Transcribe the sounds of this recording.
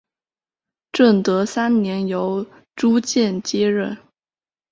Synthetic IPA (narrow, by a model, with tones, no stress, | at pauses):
ʈ͡ʂə˥˩nt̪ɤ˧˥sa˥nnjɛ˧˥njo˧˥ʊ | ʈ͡ʂu˥t͡ɕjɛ˥˩nt͡ɕjɛ˥ɻə˥˩n